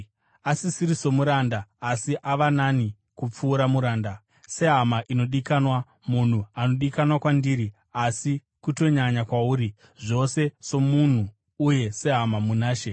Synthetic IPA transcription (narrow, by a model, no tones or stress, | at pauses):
asisiɾiso̞muɾandaːsiʔaʋanani | kup͡fuːɾamuɾaːnda | se̞ɦamaʔino̞ɗikanwa | mun̤uano̞ɗikanwakwandiɾi | asi | kuto̞ɲaɲakwauːɾi | ʐo̞se̞so̞mun̤uː | je̞se̞ɦamamunaːʃe̞